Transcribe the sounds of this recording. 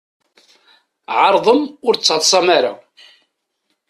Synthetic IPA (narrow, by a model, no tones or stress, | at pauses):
ʕɑɾˤðˤəmʊɾt͡sːəðˤsˤɑmaɾa̰